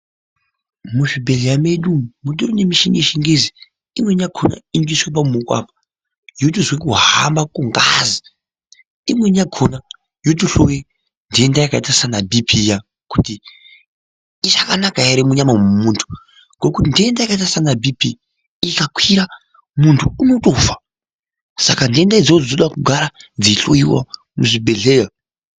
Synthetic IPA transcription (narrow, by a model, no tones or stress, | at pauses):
muʐibʱeɮiameɗumuɗoɾonemiʃiŋeʃiŋɡezi | imwe̞ɲakʰona̰iŋɡiswep̬amumukwa̰pḁ | jotuzwek̬uɦambakuŋɡazi | imwe̞ɲakʰona | jot̬uɬowe | ndiendajakaitasanabʱipʰija | kuti | ʐakanakaeɾemuɲamamumuntʰu̥ | ŋɡo̞kutindiendajakaitasanabipiː | kakwiɾa | muntʰuːno̞to̞fa | sakandiendaid͡zod͡znoɗakuɡʱaɾad͡ziɬoiwa̰ | muʐibʱe̞ɮeːja